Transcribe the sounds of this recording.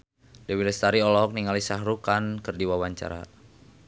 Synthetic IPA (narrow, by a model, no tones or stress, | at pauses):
dɛwilɛst̪aɾiɔlɔk̚niŋalisaɦɾukankɨrdiwawaɲt͡ʃa̰ɾa̰